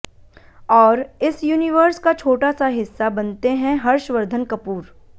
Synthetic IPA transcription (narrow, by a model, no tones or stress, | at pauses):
ɔːɾɪsjuːnɪʋəɾskat͡ʃʰoːʈasaɦɪsːabɐnt̪eɦɛ̃ɦɐɾʃʋəɾd̪ʱənkɐpuːɾ